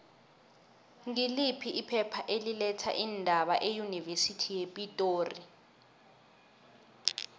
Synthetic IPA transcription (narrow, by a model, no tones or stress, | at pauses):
ŋilipʰiːpʰɛpʰaʔelilɛtʰa̰ʔindʱaɓaʔejunivesitʰijepʼitʼoːri